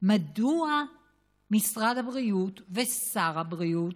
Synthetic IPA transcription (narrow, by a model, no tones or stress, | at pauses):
madua | misʁadhabʁiutvesaʁhabʁiut